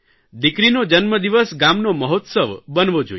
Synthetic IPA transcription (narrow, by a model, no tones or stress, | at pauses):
d̪ikɾinod͡ʒənməd̪iʋəsɡamnoməɦot̪səʋbənʋod͡ʒo̰j